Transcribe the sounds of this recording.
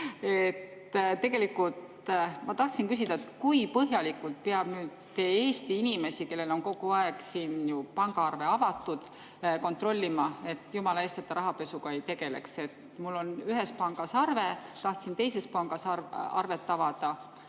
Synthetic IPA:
e̞t̪ | t̪e̞ɡ̥e̞likːult̪ | mɑt̪ɑht̪sinkys̬id̪̥ɑet̪kujpɤɦjɑlikːult̪̚peɑb̥nyːd̪̥t̪ːe̞ːeːst̪iinime̞sike̞lːe̞lo̞nko̞ɡ̥uɑe̞ɡ̥siːnjupɑŋɡ̥ɑɑrve̞ɑvɑt̪ːˑud̪̥ | ko̞nt̪ro̞lʲːimɑe̞t̪ːˑjumɑlɑest̪et̪ːɑɾɑɦɑpe̞suɡɑe̞jt̪e̞ɡ̥e̞le̞̰kse̞t̪ | mulːo̞nyɦe̞spɑŋɡ̥ɑsɑrve̞t̪ɑht̪sint̪e̞jse̞spɑŋɡ̥ɑsɑɑ̰rve̞t̪ːɑvɑd̪̥ɑ

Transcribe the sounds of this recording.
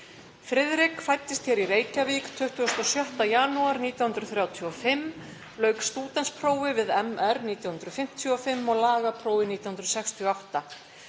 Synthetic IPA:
fɾɪðɾɪkfajt̪ːɪst̪çɛɾiɾeːjcavikt̪ʰʏht̪ʏɔst̪ɔsjœht̪ajanuaɾniːt̪jawhʏnt̪ɾʏθɾjaːwt̪ʰiɔfɪm | lœːɥkst̪uːt̪ɛnspʰɾoːwvɪvɪðɛmɛɾniːt̪jahʏnɾʏfɪm̥t̪ʰjiɔfɪmːɔɣlaːɣapʰɾoːwvɪniːt̪jahnɾʏsɛkst̪ʰiɔawht̪a

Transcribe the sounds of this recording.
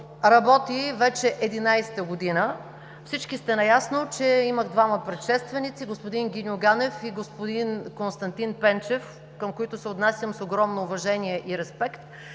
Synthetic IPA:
ɾɐbɔt̪ivɛt͡ʃɛʔɛd̪inajsɛ̥t̪əɡod̪inə | fsit͡ʃkist̪ɛnɐjasnot͡ʃɛiməɣd̪vaməpɾɛt̪ʃɛst̪vɛnit̪siɡospod̪inɡʲinʲʊɡanɛfiɡospod̪inkonst̪ɐnt̪inpɛnt͡ʃɛf | kəmkoit̪ʊsɛot̪nasʲjəmsoɡɾɔmnoːvɐʒɛniɛʔiɾɛspɛkt̪

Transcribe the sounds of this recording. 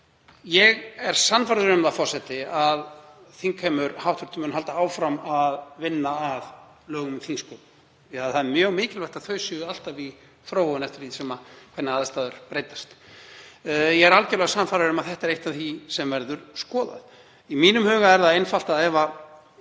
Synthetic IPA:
jɛɣɛɾ̥sanfaɾðʏɾʏmðafɔr̥sɛt̪ɪaðθiŋkʰɛmʏɾhawht̪ʏ̥ɾ̥t̪mʏnɦalt̪aaːwfɾamaðvɪnːaːð | lœːɣʏmθinskowp | aðθaðmjœːɣmɪːcɪlvɛjht̪aðθʰœːɥsʏʏal̥t̪avi | θɾowvɔwʏnɛft̪ɪɾ̥θisɛmakʰvɛt̪nɪaːðst̪aːðʏɾ̥pɾeːjt̪ḁst̪ | jɛɣɛɾalcɛɾlɛɣasanfaɾðɪɾʏmaðθɛht̪aɛɾejht̪aθisɛmvɛɾðʏɾ̥skɔːða̰ð | imiːnʏmhœːɣaɛɾðaðejnfal̥t̪aðɛva

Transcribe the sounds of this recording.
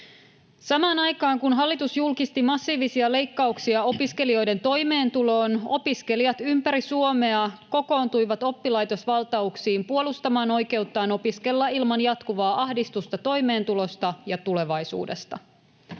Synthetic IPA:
sɑmɑːnɑjkɑːŋkunɦɑlːit̪usjulkist̪imɑsːiːʋisiɑle̞jkːɑuksiɑo̞piske̞lio̞jde̞nt̪o̞jme̞ːnt̪ulo̞ːno̞piske̞liɑt̪ympæɾisuo̞me̞ɑko̞ko̞ːnt̪ujʋɑt̪o̞pːilɑjt̪o̞sʋɑlt̪ɑuksiːmpuo̞lust̪ɑmɑːno̞jke̞ut̪ːɑːno̞piske̞lːɑilmɑnjɑt̪kuʋɑːʔɑhdist̪ust̪ɑt̪o̞jme̞ːnt̪ulo̞st̪ɑjɑt̪ule̞ʋɑjsṵːde̞̰st̪ɑ̰

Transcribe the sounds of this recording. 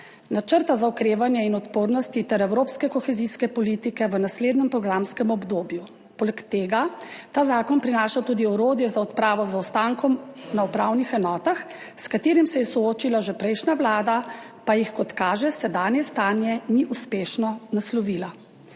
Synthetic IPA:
nat͡ʃəɾt̪azaɔkɾeːʋanjɛinɔt̪poːɾnɔst̪it̪ɛɾɛwɾoːpskɛkɔxɛziskɛpɔliːt̪ikɛʋənasleːd̪nɛmpɾɔɡɾamskɛmɔbd̪oːbju | poːlɛkt̪eːɡat̪aːzaːkɔnpɾinaːʃat̪uːd̪iɔɾoːd̪jɛzaɔt̪pɾaːʋɔzaɔst̪aŋkɔmnaupɾawnixɛnɔːt̪ax | skat̪eːɾimsɛjɛsɔoːt͡ʃilaʒɛpɾɛjʃnaʋlaːd̪a | pajixkɔt̪kaːʒɛsɛd̪aːnjɛst̪aːnjɛniʔuspeːʃnɔnaslɔʋila

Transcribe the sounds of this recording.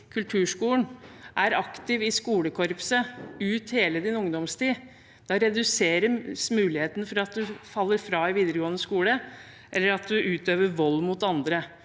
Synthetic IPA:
kʰʉlt̪ʰʉːʂkuːlnʔæɾɑkt̪ɪʋɪskuːləkʰɔɾpsəʉːt̪heːləd̪ɪnʊŋd̪ɔmst̪iː | d̪̥ɑɾɛd̪ʉseːɾəsmʉːlɪheːt̪ənfɔɾɑt̪̚d̪ʉfɑlːəɾfɾɑːɪʋiːd̪əɾəɡoːənəskuːlə | ʔɛlːəɾɑt̪̚d̪ʉʔʉːt̪øːʋəɾʋɔlːmʊt̪ɑnd̪ɾə

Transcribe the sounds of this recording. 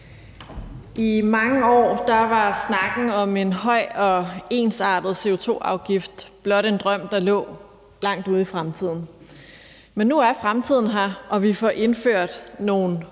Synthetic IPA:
imɑ̈ŋəɒ̰ːd̥ɑ̈ʋɑ̈snɑ̈ɡ̥n̩ɒ̽me̝nɦɒ̽ɪ̰ɒ̽e̝ːnsɑ̰̈ːd̥ð̩ˠse̝o̝t͡sʰo̝̰ːɑ̈ʊɡ̥ifd̥b̥lɒ̽ɾ̥end̥ʁɶm̰d̥ɑ̈lɔ̰̽ː | lɑ̈ŋ̰d̥uːð̞̩ˠifʁamt͡sʰið̞̰ˠn̩ | menːuæɐfʁamt͡sʰið̞̰ˠn̩ɦæʔɒ̽ʋifɒʔe̝nføɐ̰d̥no̝ːn̩

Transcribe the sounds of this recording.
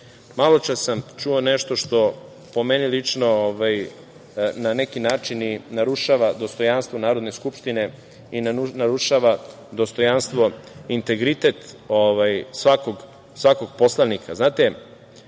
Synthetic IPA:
malo̞t͡ʃasamt͡ʃuoneʃt̪o̞ʃt̪o̞ | po̞me̞nilit͡ʃnooʋaj | nane̞kinaːt͡ʃininaɾuʃaʋad̪ost̪o̞janst̪ʋo̞naːɾo̞d̪ne̞skupʃt̪ine̞ | innaɾuʃaʋa | d̪o̞st̪o̞janst̪ʋo̞int̪e̞ɡɾit̪e̞t̪oʋajsʋakoɡ | sʋako̞ɡ̚poslˠanikʰaznaːt̪e

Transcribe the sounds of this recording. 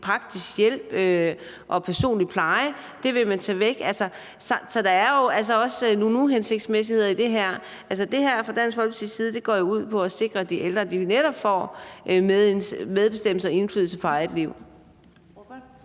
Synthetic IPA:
pʰʁɑ̈ɡ̥̚d̥isɡ̥jel̰b̥ø | ʔɒ̽pʰæɐso̝̰ːnli̥pʰlɑ̈ɪə | d̥e̝ʋe̝mænt͡sʰɛːʋeɡ̥ælsə | sɒsɒ̽d̥ɑ̈æɐjo̝æls̬əɒ̽snunuɦense̝ɡ̥̚d̥smes̬ihe̝ð̞̰ˠid̥e̝ɦæɐ̰ | ʔælsəd̥e̝ɦæɐ̰fɑd̥æn̰sfɒ̽l̰b̥əsi̥siːð̞̩ˠd̥e̝ɡ̥ɒ̰ːjo̝uð̞̰ˠpʰɒ̽æse̝ɡ̥ʁɐd̥iʔeld̥ʁɐd̥ineɾ̥ɒb̥fɒ̰ːʔmmeð̞ˠb̥e̝sd̥em̰l̩səɒe̝nfly̰ð̰̩ˠsəpʰɒɪd̥liʊ̰

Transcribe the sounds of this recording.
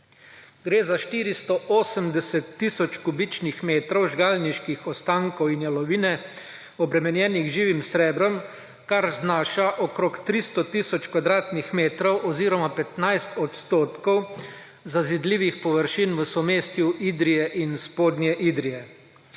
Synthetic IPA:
ɡɾeːzaʃt̪iːɾist̪ɔʔoːsəmd̪ɛsɛt̪ːisɔt͡ʃkubit͡ʃnixmeːt̪ɾɔwʒɡaːlniʃkixɔst̪aŋkɔwinjalɔʋiːnɛ | ɔbɾɛmɛnjɛːniɣʒiːʋimsɾɛːbɾɔm | kaɾznaːʃaʔɔkɾokt̪ɾist̪ɔt̪iːsɔt͡ʃkʋad̪ɾaːt̪nixmeːt̪ɾɔwʔɔziːɾɔmapɛt̪najst̪ɔt̪st̪oːt̪kɔw | zazid̪liːʋixpɔʋəɾʃinʋəsɔmeːst̪juʔiːd̪ɾijɛʔinspoːd̪njɛʔiːd̪ɾijɛ

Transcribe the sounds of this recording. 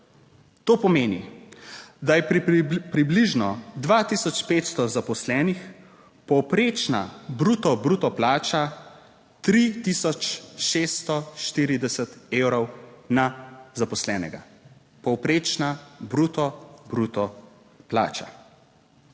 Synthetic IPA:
t̪oːpɔmeːnḭ | d̪ajɛpɾibliʒnɔd̪ʋaːt̪iːsɔt͡ʃpeːt̪st̪ɔzapɔslɛːnix | pɔwpɾeːt͡ʃna̰bɾuːt̪ɔbɾuːt̪ɔplaːt͡ʃa | t̪ɾit̪isɔt͡ʃʃeːst̪ɔʃt̪iːɾid̪ɛsɛt̪eːwɾɔwnazapɔslɛːnɛɡa̰ | pɔwpɾeːt͡ʃnabɾut̪ɔbɾut̪ɔ | pla̰ːt͡ʃa̰

